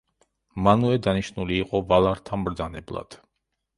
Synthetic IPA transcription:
manuɛd̪aniʃnuliːqʼɔvalˠaɾt̪ʰamɾd̪zanɛblˠa̰d̪̥

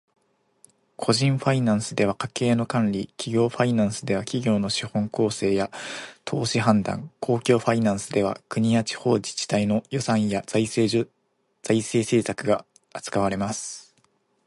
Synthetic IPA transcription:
kʰo̞ʑĩɰ̃ɸainãɰ̃sɨd̪e̞β̞akake̞ːno̞kãnɾʲikʲʰiɡʲo̞ːɸainãɰ̃sɨd̪e̞βakʲiɡʲo̞ːno̞ɕihõ̞ŋko̞ːse̞ːjat̪ʰo̞ːɕiɦãnd̪ã̰ŋkʰo̞ːkʲo̞ːɸainãɰ̃sɨd̪e̞β̞a̰kɯ̟ɲ̟iat͡ɕi̥ho̞ːd͡ʑi̥t͡ɕi̥t̪aino̞jo̞sãɰ̃jai | z̥aise̞ːse̞ːsakɯ̟ɡaː | t͡sɨ̥kaβaɾe̞masɨ̥

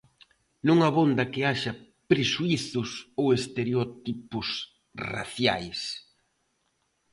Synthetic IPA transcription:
nuŋɐβond̪ɐkɪaʃɐ | pɾeʃuiθʊsowest̪eɾeot̪ipʊs | ra̰θja̰js

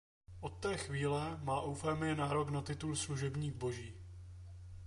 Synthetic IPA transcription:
ʔo̞t̪ːɛːxviːlɛmaːʔowfɛːmɪjɛnaːɾo̞knat̪ɪt̪ulsluʒɛbɲiːɡbo̞ʒiː

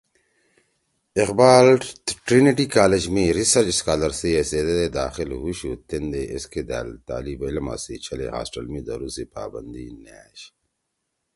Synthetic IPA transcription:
eqbaːlʈɾiniʈikaːled͡ʑmiɾisɐɾt͡ʃskaːlɐɾsieseːd̪ed̪ed̪aːxilɦuɕut̪end̪eʔesked̪a̰ːlt̪a̰ːlibɐlɐma̰ːsit͡ɕʰɐlḛɦa̰ːsʈɐlmid̪ɐ̰ɾusipa̰ːbɐnd̪inaːɕ

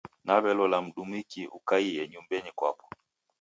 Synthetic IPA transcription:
naβɛlɔlam̩ɗumikiʔṵkaiɛɲumbɛnikwa̰pɔ̥

